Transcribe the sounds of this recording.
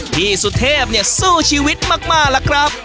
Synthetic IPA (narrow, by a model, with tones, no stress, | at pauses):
t̪ʰiː˥˩su˨˧˩t̪ʰeː˥˩p̚ni˧˩ɐsuː˥˩t͡ɕʰiː˧˥wi˦˥t̪̚maː˥˩k̚maː˥˩k̚la˦˥kʰɾa˦˥p̚